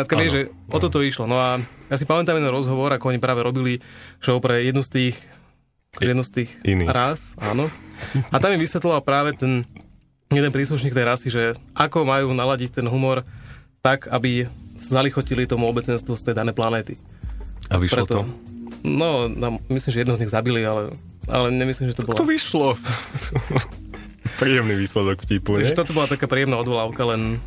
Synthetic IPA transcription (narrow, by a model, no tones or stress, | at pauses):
ɾat̪kaɛʒɛ | ɔt̪ɔt̪ɔiʃlɔnɔajas̬ipamɛt̪amjɛd̪ɛnɾɔzɦɔʋɔɾakɔɔɲipɾaːʋɛɾɔbiliʃɔʊpɾɛjɛd̪nust̪iːx | akɔʒɛjɛd̪nust̪iːxḭnḭɾasa̰ːnɔat̪amjɛʋisʋɛt̪lɔʋalpɾaːʋɛt̪ɛn | jɛd̪ɛnpɾiːsluʃɲiːkt̪ɛjɾasiʒɛʔakɔmajuːnalaɟict̪ɛnɦumɔɾt̪akʰabisazalixɔcilit̪ɔmuɔbɛt͡sɛnst̪ʋust̪ɛjd̪anɛjplanɛːt̪i | aʋiʃpɾɛt̪ɔɔ | nɔt̪ammislimʒɛjɛd̪ɛɦɔzɲiɣzabilialɛ | a̰lɛɲɛmislimʒɛt̪ɔbɔlat̪ɔʋiʃlɔt̪ | pɾiːɛmniʋiːslɛd̪ɔkfcipuɲʒɛt̪ɔt̪ɔbɔlat̪akaːpɾiːɛmnaɔd̪ʋɔlaʊkalɛn